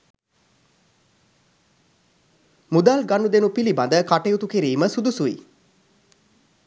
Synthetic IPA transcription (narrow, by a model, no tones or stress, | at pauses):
mud̪alɡanud̪enupiliband̪əkaʈejut̪ukiɾiːməsud̪usuḭ